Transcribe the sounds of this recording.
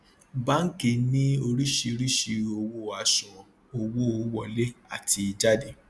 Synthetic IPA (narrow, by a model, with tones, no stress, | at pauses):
ba˦ŋ̩˦ke˧˨nĩ˦o˧ɾi˦ʃi˧ɾi˦ʃi˧o˧wo˦˨a˨ʃɔ̃˨ | o˧wo˦o˨wɔ˦˨le˦a˦˨tʰi˧i˧d͡ʒa˦de˨